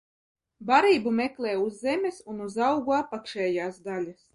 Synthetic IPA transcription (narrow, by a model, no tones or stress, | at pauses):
baɾiːbumɛklˠɛːuzːemʲɛsunuzawɡuapːakʃɛːjaːsd̪alʲas